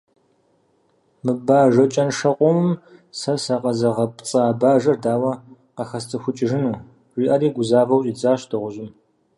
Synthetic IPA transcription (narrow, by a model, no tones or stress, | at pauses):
mɨbaːʒɐt͡ʃʼɐnʂɐqʷʼɔmɨmsɐsɐqɐzɐʁɐpt͡sʼaːbaːʒɐrdaːwɐ | qɐxɐst͡sʰʼɨxʷʊt͡ʃʼɪʒɪnɨ | ʒʷiːʔɐɾiːɡʷʊzaːvɐwɕʼiːd͡zaːɕdʰɨʁʷʊʒɪm